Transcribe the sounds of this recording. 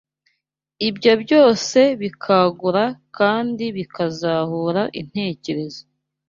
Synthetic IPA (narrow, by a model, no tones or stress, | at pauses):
ibɟobɟo̞ːse̞βikʰaɡuɾakaːndiβikazahuɾaʔḭn̥he̞ːce̞ɾe̞zo